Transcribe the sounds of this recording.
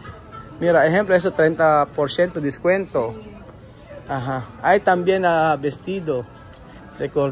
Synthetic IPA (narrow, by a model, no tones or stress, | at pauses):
miɾaeɦemploes̬ot̪ɾent̪apoɾsjent̪od̪iskwent̪o | aɦaajt̪ambjenabest̪id̪o | rekoɾ